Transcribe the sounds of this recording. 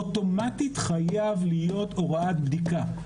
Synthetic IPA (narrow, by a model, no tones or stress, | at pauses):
oto̞matit̪χajavlijo̞to̞ʁaat̪bd̪ika